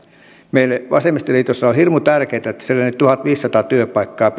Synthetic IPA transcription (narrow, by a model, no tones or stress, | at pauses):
meilːeʋɑ̰semist̪eliːt̪osːɑohirmut̪ærkeit̪æet̪ːæselːenːyt̪t̪uhɑt̪ʋiːsːɑt̪ɑːt̪yøpɑikːɑːp